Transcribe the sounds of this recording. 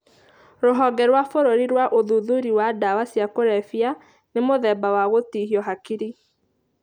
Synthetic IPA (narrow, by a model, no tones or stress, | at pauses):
ɾoɦɔɡɛɾwafoɾoɾiɾwaʔoðuðuɾiwadawasiakoɾɛfia | nemoðɛːbawaɣotihiɔɦakiɾi